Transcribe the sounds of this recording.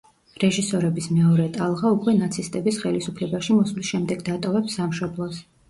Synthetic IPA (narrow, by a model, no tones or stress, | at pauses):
ɾɛʒisɔɾɛbismɛɔɾɛt̪ʼalˠʁaukʼwɛnat̪sʰist̪ʼɛbisχɛlisupʰlɛbaʃimɔsmlisʃɛmd̪ɛɡd̪at̪ʼɔvɛpsːamʃɔblˠɔs